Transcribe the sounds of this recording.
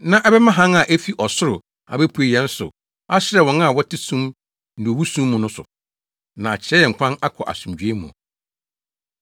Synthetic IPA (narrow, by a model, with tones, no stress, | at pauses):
nã˦ʔɛ˦bɛ˦mã˦ɦã˦ŋa˨ʔæ˦fi˦ʔɔ˨sʊ˦ɾʊ˨ | a̰˨bɛ˦pʰu˨˦e˨jɛ̃˨˦n̩˦sʊ̰˨ | a˦ɕɪ˦ɾɛ˨wɔ̃˨na˦˨wɔ˦tʰɪ˦sũ˦m | n̩˨dɪ˨o˨wu˦sũ˦mː˦ũ˨nʊ̃˦sʊ̰˨ | nã˨a˨t͡ɕʰɪ˨ɾɛ˦jɛ˨ŋ̩˨kʰʷã˦na˦kʰɔ˨ʔa̰˨sũ˨md͡ʑᶣɥe˦mũ˨ɔ̰˨